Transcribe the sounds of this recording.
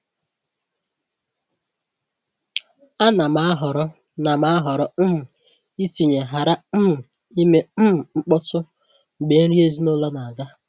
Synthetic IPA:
a˦na˨ma˨˦ɦɔ˨ɾɔ˦ | na˨ma˦a˦ɦɔ˨ɾɔ˦m̩˦m̩˨ | i˦ti˨ɲe˨ɦa˨ɾa˦m̩˦m̩˨ | i˦me˦m̩˦m̩˨ŋ͡m̩˦k͡pɔ˦tʊ˦ | ŋ͡m̩˨ɡ͡be˨˦ɾi˦e˦zi˦nʊ˦la˦na˨ɡa˦

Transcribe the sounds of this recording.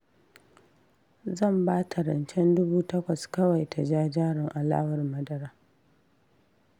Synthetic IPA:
zɐ˦˨mbaː˦tʰa˨ɾɐ˨nt͡ʃɛ˦ndʊ˦buː˦tɐ˦kʷɐ˨skɐ˦wa˨jtʰa˨d͡ʒaː˦d͡ʒaː˦ɽɪ˨ŋʔa˨la̰ː˦wɐ˨rmɐ˦dɐ˦ɾaː˦

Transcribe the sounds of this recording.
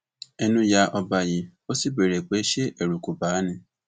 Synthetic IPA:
ɛ˧nũ˧˦ja˧ʔɔ˧ba˨ji˨o˦si˦˨be˨ɾe˨k͡pe˨˦ʃe˦ʔɛ˦˨ɾu˨ku˨ba˨˦nĩ˦˨

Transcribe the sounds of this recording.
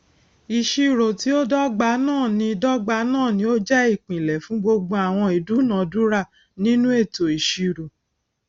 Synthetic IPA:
i˨ʃi˧ɾo˨ti˨˦o˦dɔ˦ɡ͡ba˧nãː˦˨nĩ˧˦dɔ˦ɡ͡ba˧nãː˦˨nĩ˧˦o˦d͡ʒɛ˦i˦˨k͡pĩ˨lɛ˨fũ˨˦ɡ͡bo˧ɡ͡bo˧a˨w̃ɔ̃˧i˨du˨˦nã˨du˦ɾa˦˨ | nĩ˦nũ˦e˦˨to˨i˨ʃi˧ɾo˨

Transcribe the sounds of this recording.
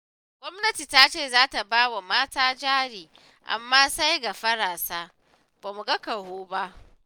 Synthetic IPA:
ɡʷɔ˦mnɐ˦ti˨taː˦t͡ʃeː˦˨zaː˦ta˨baː˦wa˨maː˦taː˦d͡ʒaː˦ɽiː˨ | ʔa̰˨mːaː˦sa˦jɡa˨ɸɐ˦ɽaː˨saː˦ | b̥aː˨mu˨ɡɐ˦kɐ˨hoː˦ba˦ʔ

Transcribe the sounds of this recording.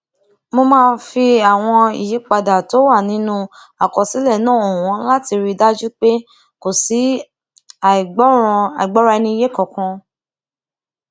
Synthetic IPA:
mo˧mãː˦˧fi˧a˨w̃ɔ̃˧ḭ˨je˨˦k͡pa˧da˨to˨˦wa˦˨nĩ˨˦nũ˦ | a˨kɔ˨si˨˦lɛ˦˨nãː˦˨o˨w̃ɔ̃˨˧˦la˦ti˧ɾi˧da˦d͡ʒu˦k͡pe˦ | ko˨si˨˦˨ | a˨i˨ɡ͡bɔ˨˦ɾa˧ɛ˧nĩ˧i˧je˨˦kɔ̃˨kɔ̃˧

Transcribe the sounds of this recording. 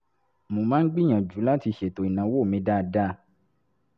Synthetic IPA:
mo˨mãː˦n̩˦ɡ͡bi˦j̃ã˨d͡ʒu˨˦la˦ti˧ʃe˨to˨i˨nã˨˦wo˦˨mĩ˧˦da˦˧da˦

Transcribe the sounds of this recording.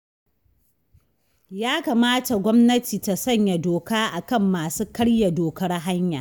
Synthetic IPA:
jaː˦ka˨maː˦ta˨ɡʷɔ˦mnɐ˦tiː˨ta˨sɐ˦˨ɲja˨doː˨kaː˦ʔa˨kɐ˦mːaː˨suː˦kɐ˦ɽja˨doː˨kɐ˦rɦa˦ɲja̰˨

